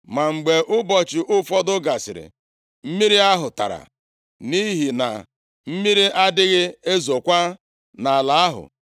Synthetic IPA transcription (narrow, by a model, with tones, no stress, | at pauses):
ma˨ŋ͡m̩˨ɡ͡be˨ʔʊ˦bɔ˨t͡ʃɪ˨ʔʊ˦fɔ˦dʊ˦ɡa˨sɪ̰˨ɾɪ̰˨ | m̩˦mi˦ɾi˦a˦ɦʊ˨ta̰˨ɾa̰˨ | ni˦ɦi˨na̰˨ | m̩˦mi˦ɾi˦ʔa˦dɪ˦ɣɪ˦e˦zo˨kʷa˦ | na˨la˨˦a˦ɦʊ̰˨